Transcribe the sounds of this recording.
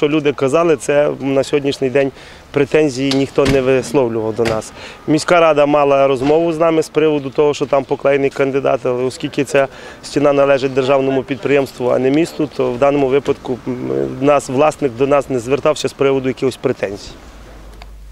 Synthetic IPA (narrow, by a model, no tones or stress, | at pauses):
ʃt͡ʃɔlʲud̪ɪkɐzɑlˠɪt̪sɛnɐsʲɔɦɔdʲnʲiʃnʲɪjd̪ɛnʲ | pɾet̪ɛnʲzʲijinʲixt̪ɔnɛʋɪslˠɔwlʲʊʋɐwd̪ɔnɑsmʲisʲkaɾɑd̪ɐmɑlˠɐɾɔzmɔʋʊznɑmɪspɾɪʋɔd̪ʊt̪ɔɦɔʃt͡ʃɔt̪ɑmpɔklˠɛjnɪjkɐnd̪ɪd̪ɑ̰t̪ɐlˠɛɔskʲilʲkɪt͡sʲa | sʲtʲinɑnɐlˠɛʒɪt̚ʲd̪erʒɑwnɔmʊpʲid̪̚pɾɪjɛmst̪ʋʊɐ̰nɛmʲist̪ʊt̪ʰɔwd̪ɑnɔmʊʋɪpɐd̪kʊnɑsʋlˠɑsnɪkd̪ɔnɑsnɛzʋert̪ɑwsʲɐspɾɪʋɔd̪ʊjɐkʲɪxɔsʲpɾet̪ɛnʲzʲiji